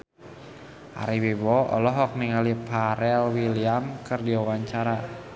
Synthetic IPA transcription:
ʔa̰ɾiwebɔɔ̰lɔɦɔk̚niŋalipʰaɾɛlwiliamkɨrdiawaɲt͡ʃaɾa

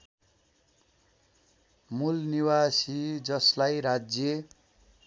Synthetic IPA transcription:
mulniwasid͡zʌslajɾad͡zje

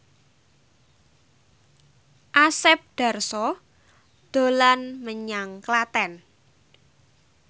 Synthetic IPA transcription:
ʔasɛp̚ɖ̪̥a̤rsɔ | d̪̥o̤lanməɲaŋklat̪ɛn

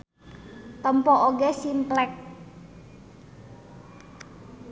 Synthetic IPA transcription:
t̪əmpɔʔoɡesimplɛk̚

